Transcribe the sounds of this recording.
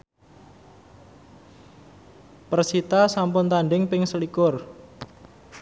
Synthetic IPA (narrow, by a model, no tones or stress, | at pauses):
pərsit̪asampʊnt̪aɳɖɪŋpɪŋsəlikʊr